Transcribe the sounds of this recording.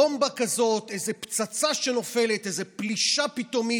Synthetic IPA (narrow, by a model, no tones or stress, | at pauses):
ombakazo̞t̪e̞jzept͡sat͡saʃe̞no̞fe̞let̪ezepliʃapit̪o̞mi